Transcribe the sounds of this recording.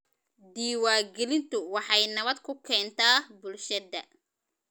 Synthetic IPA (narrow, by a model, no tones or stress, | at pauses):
d̪iːwaːɡɛlɪnt̪ʰʊwɑħɑjnɐβɐd̪kʰʊkʰɛːnt̪ʰaːbʊlʃɐd̪ɐ